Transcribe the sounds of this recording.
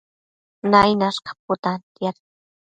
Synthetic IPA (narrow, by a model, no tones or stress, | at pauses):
najnaʃqɑ̥p̚ʊt̪ant̪jaɾ